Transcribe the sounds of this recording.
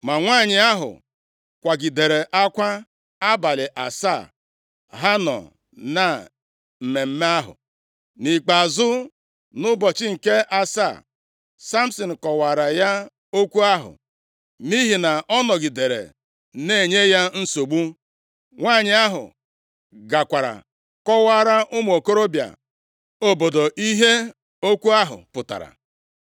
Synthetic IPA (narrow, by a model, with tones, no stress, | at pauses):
ma˨ŋʷaː˦˨ɲɪ˨a˦ɦʊ̰˨ | kʷa˨ɡi˨de˨ɾe˨ʔa˦kʷa˦ | a˦ba˨lɪ˨ʔa˨sa˦˨ | ɦa˦nɔ̰˨ | na˨ | m̩˨me˨m̩˦me˦a˦ɦʊ̰˨ | ni˨k͡pa˨zʊ˦ | nʊ˦bɔ˨t͡ʃɪ˦ŋ̩˨ke˦a˨sa̰˦˨ | sa˦m̩˦sɔ˨n̩˨kɔ˨wa˨ɾa˨ja˦ | o˦kʷu˦a˦ɦʊ̰˨ | mi˦ɦi˨na˨ʔɔ˦nɔ˨ɡɪ˨de˨ɾḛ˨ | ne˦˨ɲe˦ja˦n̩˦so˨ɡ͡bu˦ | ŋʷaː˦˨ɲɪ˨a˦ɦʊ̰˨ | ɡa˨kʷa˨ɾa̰˨ | kɔ˦wa˦ɾa˦ʔʊ˦m˨o˨ko˦ɾo˦bja̰˨ | o˨bo˨do˨ʔi˦ɦe˦ | o˦kʷu˦a˦ɦʊ̰˨pʊ˨ta̰˨ɾa̰˨